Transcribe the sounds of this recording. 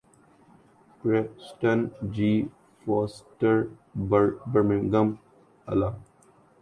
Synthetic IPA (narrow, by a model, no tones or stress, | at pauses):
kɾesʈənd͡ʒiː | foːsʈəɾ | bəɾmɪ̃ŋɡəm | ɐ̰la